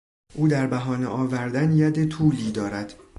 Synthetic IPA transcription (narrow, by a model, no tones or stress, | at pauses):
ʔuːd̪æɾbæɦɒːneʔɒːvæɾd̪ænjæd̪et̪ʰuːliːd̪ɒːɾæd̪̥